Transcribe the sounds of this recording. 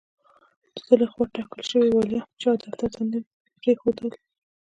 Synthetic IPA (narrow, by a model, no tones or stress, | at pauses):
zəlexwaʈɑkəlʃəwiwɑljat͡ʃɑd̪aɾt̪at̪and̪ə | pɾexod̪əl